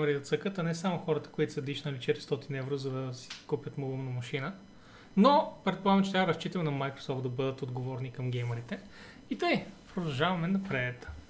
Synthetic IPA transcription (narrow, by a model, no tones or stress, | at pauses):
əɾid̪ɐt̪səkət̪ɐnɛsamʊxɔɾət̪ə̥koit̪ʊ̥sɐd̪iʃnɐlit͡ʃɛt̪ɾist̪ɔt̪inɛvɾozɐd̪ɐsi̥kupʲjɐt̪molˠumnɐmɐʃinə | nopɾɛt̪̚polˠaɡəmt͡ʃɛt̪ɾʲavɐɾɐst͡ʃit̪ɐmɛnɐmajkɾo̥sɔft̪d̪ɐbɤd̪ət̪od̪ɡovɔɾnikɐmɡʲɛjməɾit̪ɛ | it̪əjpɾod̪ɐlˠʒavɐmɛnɐpɾɛɛt̪